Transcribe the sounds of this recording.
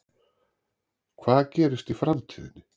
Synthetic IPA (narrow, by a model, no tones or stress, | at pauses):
kʰvaːðcɛːɾɪst̪ifɾamt̪ʰiːðɪ̰nːɪ